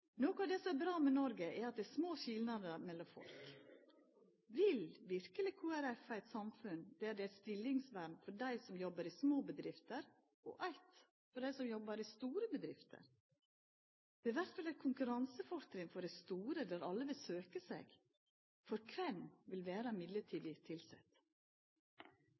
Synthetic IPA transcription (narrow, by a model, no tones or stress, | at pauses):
noːkʊɑʋd̪ɛsɔmɛɾbɾɑːmɛnɔɾɡəʔɛɾɑt̪̚d̪ɛæsmoːɕɪlnɑd̪əɾmɛlːɔmfɔ̰lk | ʋɪlʋɪɾkəlɪkʰuːæɾɛfæɪt̪sɑmfʉnd̪̥ɛæɖɛæst̪ɪlːɪŋsʋæɾnfɔɖæɪsɔmjɔbːəɾɪsmoːbəd̪ɾɪft̪əɾ | ɔ̰ʔæɪt̪ | fɔɖæɪsɔmjɔbːəɾɪst̪uːɾəbəd̪ɾɪft̪ʰə̰ɾ | d̪̥ɛʋæɾt̪ʋɑlæɾkʰʊŋkʉɾɑnsəfɔʂkɾɪŋfɔɖɛɪst̪uːɾəd̪ɛɾɑlːəʋɪlsøːkəsḛːɡ̥ | fɔɾkʰʋɛnːʋɪlʋeːɾɑmɪd̪ləʈʰiːd̪ɪt̪ʰɪlsɛ̰t̪